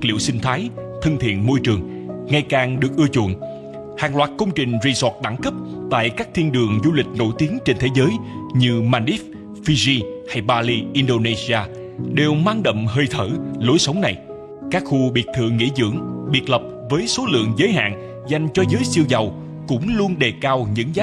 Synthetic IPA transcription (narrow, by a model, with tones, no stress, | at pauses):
lḭ˧˨əwsï˧ŋ̟t̪ʰaː˨˦jt̪ʰə˧nt̪ʰḭ˧˨ənmo˧jt͡ɕɨ˨˩əŋ | ŋa˨˩jkaː˨˩ŋɗɨ˨˩ək̚ʔɨ˧ət͡ɕṵ˧˨ən | ha̰ː˨˩ŋlwaː˨˩t̚kə˧wŋ͡mt͡ɕï˨˩ŋ̟zi˨˩sɔː˨˩t̚ɗa˧˩ŋkə˦˥p̚t̪a̰ː˧˨jkaː˦˥k̚t̪ʰi˧ənɗɨ˨˩əŋzu˧lï˨˩k̟̚no̰˧˩jt̪i˨˦əŋt͡ɕe˧nt̪ʰe˨˦zəː˨˦jɲɨ˧maː˧ni˦˥f̚ | fi˧zi˧ha˧jɓaː˧li˧ʔi˧nɗo˧ne˧zi˧aː˧ | ɗe˨˩wmaː˧ŋɗə̰˧˨wŋ͡mhəː˧jt̪ʰəː˧˩lo˨˦jsə˨˦wŋ͡mna˨˩j | kaː˦˥k̚xu˧ɓḭ˨˩ət̚t̪ʰɨ̰˧˨əŋːḭ˧˥zɨ̰˧˥əŋɓi˨˩t̚lə˨˩p̚vəː˨˦jso˨˦lɨ̰˧˨əŋzəː˨˦jɦa̰ː˧˨n | za˨˩jŋ̟t͡ɕɔ˧zəː˨˦jsi˧əwza˨˩w | kʊ̰˧˥ŋ͡mlu˧ənɗe˨˩kaː˧wɲɨ̰˧˥ŋzaː˦˥